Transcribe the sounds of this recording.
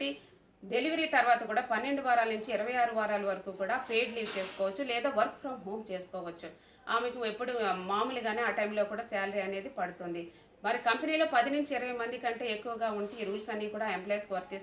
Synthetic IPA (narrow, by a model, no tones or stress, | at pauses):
i | ɖe̞liʋɐɾiːt̪ɐɾʋaːt̪ɐkuːɽaːpɐnːe̞ɳɖuʋaːɾaːlɐnuɲt͡ʃiːɾɐʋɐjaːɾuʋaːɾaːlɐʋɐɾɐkuːkuːɽaːpeːɖliːʋt͡ʃe̞ːsu̥kɔːʋɐt͡ʃːulɛːd̪aːʋɐɾkpʰɾɐmɦoːmt͡ʃe̞ːsu̥kɔːʋɐt͡ʃːu | aːmekɐmepːuɽumaːmulɐɡaːne̞ːaːʈɐjmloːkuːɽaːsaːlɐɾiɐne̞ːd̪ipɐɽut̪und̪i | mɐɾikɐmpeniːlo̞ːpɐd̪inuɲt͡ʃiːɾɐʋɐjmɐnd̪ikɐɳʈe̞ːekːuʋɐɡaːuɳʈiɾuːlsɐnːiːkuːɽaːempleːskʋɐɾt̪ːi